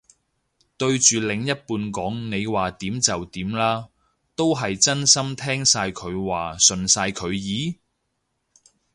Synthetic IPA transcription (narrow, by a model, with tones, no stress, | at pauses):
t̪ɵ˧ɥt͡ʃyː˨lɪ˨˧ŋjɐ˥t̚puː˧nkɔː˨˥ŋne˨˧jwaː˨˩t̪iː˨˥mt͡sɐ˨wt̪iː˨˥mlaː˥ | t̪o˥wɦɐ˨jt͡sɐ˥nsɐ˥mt̪ʰɛː˥ŋsaː˧jkʰɵ˨˧ɥwaː˨sɵ˨nsaː˧jkʰɵ˨˧ɥjiː˨˥